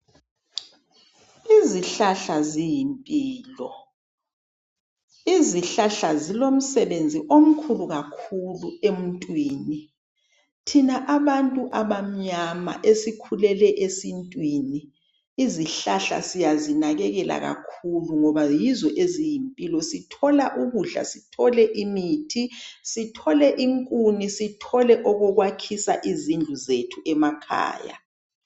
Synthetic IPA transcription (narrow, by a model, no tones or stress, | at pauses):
iziɬaɬazijimpʼiːlɔ | iziɬaɬazilom̩sɛβend͡zʱiʔom̩kʰuluɣakʰuluem̩ntʼwiːni | tʰinaʔaβantʼuʔaβam̩ɲama̰ʔesikʰulɛlɛʔesintʼwini | iziɬaɬa̰sijazinaɣɛɣɛla̰ɣa̰kʰuluŋɔβajizɔʔezijimpʼilɔsitʰɔlaʔuɣuɮa̰sitʰɔlɛʔimitʰisitʰɔlɛʔiŋkʼunisitʰɔlɛʔɔɣɔɣwakʰisa̰ʔizind͡ɮʱuzetʰuʔɛmakʰa̰ːja̰